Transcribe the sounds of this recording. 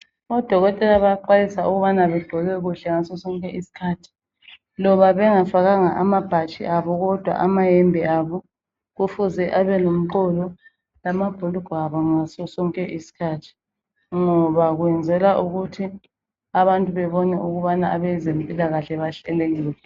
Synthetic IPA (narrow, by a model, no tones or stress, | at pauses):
ɔd̥ʱɔɣɔtʼɛlaβajaǃajisauɣuβanaβɛɡ͡ǃʱɔɣɛɣuɬɛŋasɔsɔŋkʼɛʔisi̥kʰaːtʰi̥ | lɔβaβɛŋafaɣaŋaʔamab̥ʱat͡ʃʼḭʔaβɔɣɔd̥ʱwa̰ʔamajembʱiaβɔ | ɣufuzɛʔaβɛlom̩ǃɔlɔ | lamab̥ʱoluɡ̥ʱɔaβɔŋasɔsɔŋkʼɛʔisi̥kʰaːtʰi̥ | ŋɔβaɣwɛnd͡zʱɛlaʔuɣutʰi | aβantʼuβɛβɔnɛʔuɣuβanaaβɛzempʼilaɣaɬɛβaɬɛlɛɣilɛ